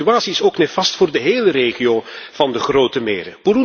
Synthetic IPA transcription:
yaːtsiɪsoːknɛfɑstfʊːrdəɦeːləreːχiov̥ɑndəχroːtəmḛːɾə̰b̥uɾu

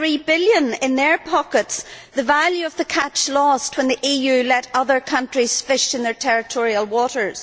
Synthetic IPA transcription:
ɹibɪlˠjə̃nɪ̃nðə˞pʰɑkətsðəvalˠjʉʌvðəkʰat͡ʃlɔst̚wə̃nðiʔijʉlɛɾʌðə˞kʰʌ̃ntɹ̥iz̥fɪʃɨ̃nðə˞tʰɛɹɪtʰɔɹiəlˠwɔɾə˞z̥

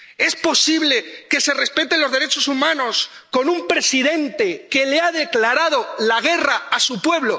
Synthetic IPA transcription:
e̞spo̞siβle̞ke̞se̞re̞spe̞t̪e̞nlo̞zðe̞ɾe̞t͡ʃo̞sumãno̞s | ko̞numpɾe̞siðe̞nt̪e̞ke̞leaðe̞klaɾað̞o̞laɣ̞e̞raasupwe̞βlo

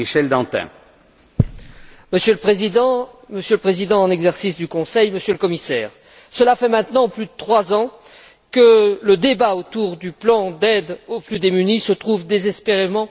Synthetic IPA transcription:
iʃɛld̪ɑ̃t̪ɛ̰̃ | məsjøləpχezid̪ɑ̃məsjələpχezid̪ɑ̃ɑ̃nɛɡzɛʁsisd̪ykɔ̃sɛjməsjøləkɔmisɛːʁ | səlafɛmɛ̃t̪nɑ̃plyd̪ət̪χwazɑ̃ | kələd̪ebaot̪uʁd̪yplɑ̃d̪ɛd̪oplyd̪emynisət̪χuvd̪ezɛspeʁemɑ̃

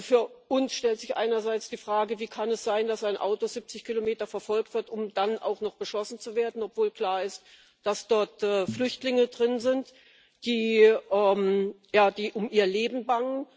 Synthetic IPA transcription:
fyːɐʔʊnsʃtɛltz̥ɪçʔa̰ɪnɐzaɪt͡sd̥iːfʁ̥aːɡəviːkʰanɛsz̥aɪndasaɪnʔa̰ʊtozɪp̚t͡sɪçkʰilomeːtɐfɛɐfɔlk̚tv̥ɪɐtʊmd̥ana̰ʊxnɔχb̥əʃɔsn̩t͡suveːɐdn̩ɔpv̥oːlkl̥aːɐɪst | d̥asd̥ɔɐtɛːflʏçtlɪŋədʁɪnzɪnt | d̥iːʔɛːm | jaːd̥iːʔʊmʔiːɐleːbm̩baŋən

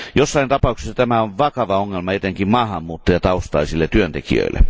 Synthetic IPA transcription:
josːɑint̪ɑpɑuksesːɑt̪æmæoʋʋɑkɑʋɑoŋːelmɑet̪eŋkimmɑːhɑmːuːt̪ːɑjɑt̪ɑust̪ɑisilːet̪yønt̪ekḭø̰ilːˑḛ

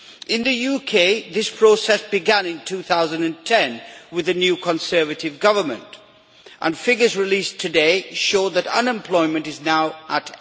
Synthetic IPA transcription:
ʔɪ̃nðɨjukʰeɪðɪspʰɹ̥oːsɛsb̥ɪɡæ̃nɪ̃ntʰuːθaʊzə̃ndɨ̃ntʰɛ̃nwɨðɨnjuːkʰə̃nsɜːvətɪvɡʌvə˞mə̰̃nt | ʔə̰̃nfɪɡə˞zɹɪliːstʰɨdeɪʃoʊðɨɾʌ̰̃nɛ̃mpʰl̥ɔɪmɨ̃ntɨznaʊʔət

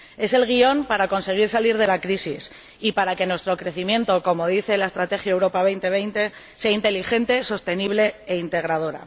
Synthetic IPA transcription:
e̞se̞lɣ̞io̞mpaɾako̞nse̞ɣ̞iɾsaliɾð̞e̞lakɾisis | ipaɾake̞nwe̞st̪ɾo̞kɾe̞θimjẽ̞nt̪o̞ko̞mo̞ð̞iθe̞laest̪ɾat̪e̞xjaewɾo̞paβ̞e̞jnt̪e̞β̞e̞jnt̪e̞ | se̞aint̪e̞lixe̞nt̪e̞so̞st̪e̞niβle̞ːint̪e̞ɣ̞ɾað̞o̞ɾa̰

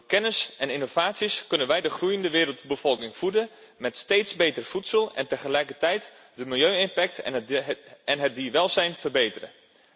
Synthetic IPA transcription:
kɛnəsɛninovaːtsiskɵnənʋɛjdəχrujəndəʋɪːɾəlˠtbəfɔlˠkɪŋfudə | mɛtsteːtsbeːtərfutsəlˠɛ̰ntəχəlɛjkərtɛjt | dəmɪlˠjøːɪnpɛk̚t | ɛnɦət̚diʋɛlˠzɛjnfərbejtərə̰

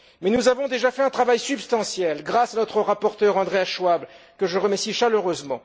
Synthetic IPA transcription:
mɛnuzavɔ̃d̪eʒafɛɛ̃t̪χavajsybst̪ɑ̃sjɛlɡʁasanɔt̪χəʁapɔʁt̪œʁɑ̃d̪ʁeaʃwabl | kəʒəʁəmɛsiʃaløʁøzmɑ̃

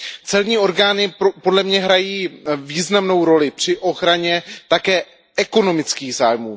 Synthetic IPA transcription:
t͡sɛlɲiːo̞ɾɡaːnɪpo̞dlɛmɲɛɦɾajiːviːznamno̞wɾo̞lɪpr̥ɪʔo̞xɾaɲɛt̪akɛː | ʔɛko̞no̞mɪt͡skiːɣzaːjmuː

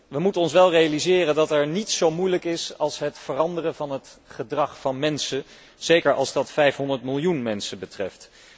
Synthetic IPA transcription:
ʋəmutənɔnsʋɛlˠrejalizɪːrəndɑtɛɹnitsowmujləkɪsɑlˠsɦətfərɑndərəvɑnɦətχədrɑχfɑnmɛnsə | z̥ejkəɹʔɑ̰lˠzdɑtfɛjfɦɔndəɹtmɪlˠjunmɛnsəbətrɛft

